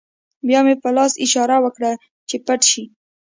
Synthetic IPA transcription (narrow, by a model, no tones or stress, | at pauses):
bjɑmepəlɑsɪʃɑɾawəkɽa | t͡ʃepaʈʃi